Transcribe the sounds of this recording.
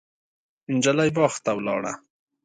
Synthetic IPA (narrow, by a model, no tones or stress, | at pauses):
nd͡ʒalajbɑːxt̪awlɑ̰ːɽa̰